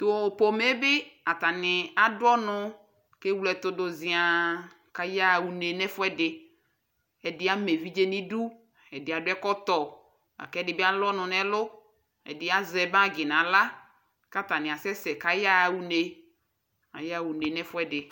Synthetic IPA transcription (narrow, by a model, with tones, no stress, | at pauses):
t̪o˨po˨me˦bɪ˦a˨t̪a˨nɪ˨a˨dʊ˦ɔ˦nʊ˦ | ke˦wlɛ˨t̪ʊ˦do˨zɪ˨a˨ | ka˨ja˦˨wu˨ne˨nɛ˦fʊ˦ɛ˦dɪ˨ | ɛ˨dɪ˦a˦me˨vi˦d͡ʒe˦nĩ˦du˦ | ɛ˨dɪ˨a˨dʊ˦ɛ˦kɔ˦t̪ɔ˨ | a̰˨kɛ˦dɪ˨bɪ˦a˦lɔ˦nʊ̃˨nɛ˦lʊ˦ | ɛ̰˨dɪ˨˦a˦zɛ˨bã˦˨ɡɪ˨nã˨la˦ | ka˦t̪a˨nɪ̃˨a˨sɛ˦sɛ˨ka˨ja˦˨wu˦ne˨ | a˨ja˦˨wu˨ne˨nɛ˦fʊ˦ɛ˦dɪ˨